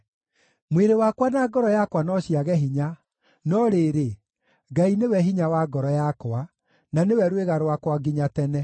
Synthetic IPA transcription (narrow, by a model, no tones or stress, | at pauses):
mweɾewakwanaɡɔɾɔjakwanɔɕijaɣɛɦiɲa | nɔɾeːɾe | ɡainewɛɦiɲawaɡɔɾɔjakwa | nanewɛɾweɣaɾwakwaɡiɲatɛnɛ